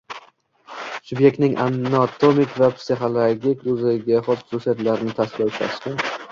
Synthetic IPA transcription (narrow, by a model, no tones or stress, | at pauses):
sʊbje̞k̚t̪nɪŋʔa̰nat̪ʰomɪkvapsiχolˠoɡʲikʊzɪɡʲaχɒt̪χʊsusijat̪laɾɪnɪt̪ʰaskʲɪlawt͡ʃʰa̰sk̪ʲɪn